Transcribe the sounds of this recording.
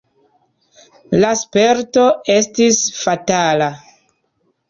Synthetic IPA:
laspe̞ɾto̞e̞stisfatala

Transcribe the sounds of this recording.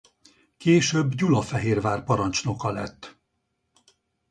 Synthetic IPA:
keːʃøbːɟulɒfɛɦeːrvaːrpɒɾɒnt͡ʃno̞kɒlɛt̪ː

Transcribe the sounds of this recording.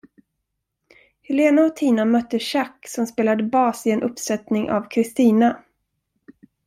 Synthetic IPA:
hɛleːnaɔt̪ʰiːnamœt̪ːəɕakːsɔmspeːlad̪əbɑːsɪɛnʔɵpːsɛt̪nɪŋʔa̰vkʰɾɪst̪iːna

